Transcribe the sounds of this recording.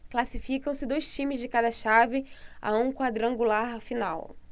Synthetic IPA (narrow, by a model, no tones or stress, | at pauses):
klasifikɐ̃w̃sɪd̪ojst͡ʃĩmɪzd͡ʒɪkad̪ɐʃavɪa̰ũkwad̪ɾɐ̃ɡulaɾfinaw